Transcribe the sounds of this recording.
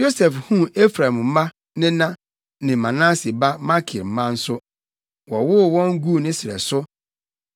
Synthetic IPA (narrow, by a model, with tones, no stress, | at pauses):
jo˦sɛ˨fhũ˦e˦fɾa˨m̩˦mã˦ | nɪ̃˦nã˦ | nɪ̃˨mã˨nã˦si˨ba˦ma˦kʰɪ˨ɾm̩˨mã˦n̩˦sʊ˦ | wɔ˨wʊ˦wɔ̃˦ŋ˦ɡu˦˨nɪ̃˦sɪ˨ɾɛ̰˨sʊ˦